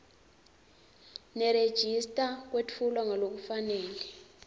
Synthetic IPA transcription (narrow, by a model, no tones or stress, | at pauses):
nɛɾed̥ʒ̥ʱistʼak̬wet͡fʰulaŋalok̬ufanɛːlɛ